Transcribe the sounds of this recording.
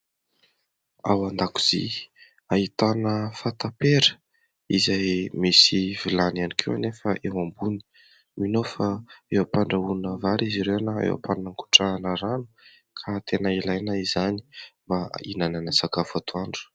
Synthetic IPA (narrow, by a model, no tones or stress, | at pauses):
a̰wand̪aku̥z̥ḭ | ait̪anəfat̪apeɾə̥ | izajmisiv̥ilananikʰewanefəʔewambuni̥ | minofaewapaɳɖ͡ʐaunəvaɾiziɾewnaḛwa̰pannaŋku̥ʈ͡ʂanəɾanu̥ | kʰat̪ʰenəilajnaizani̥mbainananasakafat̪uaɳɖ͡ʐu̥